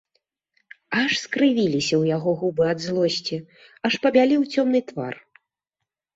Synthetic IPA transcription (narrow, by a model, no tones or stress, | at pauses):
aʂskɾɨvʲilʲisʲɐwjaɣɔɣubɨad̪zlˠɔsʲt͡sʲi | ɐʂpɐbʲalʲiwt͡sʲɔmn̪ɨt̪va̰r